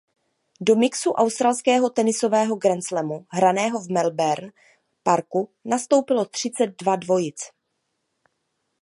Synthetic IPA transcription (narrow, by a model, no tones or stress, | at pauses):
do̞mɪksuʔawst̪ɾalskɛːɦo̞t̪ɛnɪso̞vɛːɦo̞ɡɾɛnt͡slɛmuɦɾanɛːɦo̞vmɛlbɛɾn | paɾkunast̪o̞wpɪlo̞t̪r̝̥ɪt͡sɛd̪̚dvadvo̞jɪt͡s